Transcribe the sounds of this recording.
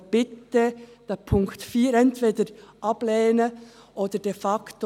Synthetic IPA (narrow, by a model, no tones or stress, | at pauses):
b̥ɪt̪əd̥ɛpʰʊŋktfiːɾɛntv̥eːdəɾʔɑb̥lɛːnə | ʔoːdəd̥efɑkt